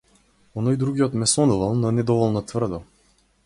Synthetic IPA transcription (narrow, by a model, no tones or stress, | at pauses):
ɔnɔjd̪ɾuɡijɔt̪mɛsɔnuvalˠnɔnɛd̪ɔvɔlˠnɔt̪vr̩d̪ɔ